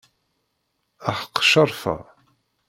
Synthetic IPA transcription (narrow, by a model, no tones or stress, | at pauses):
æħə̥qːʃɑɾˤfə̰